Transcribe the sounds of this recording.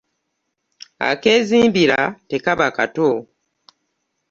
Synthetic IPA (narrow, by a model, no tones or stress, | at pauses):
a̰ke̞ːziːmbiɾa̰te̞kaβakato